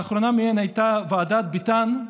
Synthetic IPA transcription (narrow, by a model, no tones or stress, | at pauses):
aχɾonamienhajt̪avaːd̪at̪̚bit̪an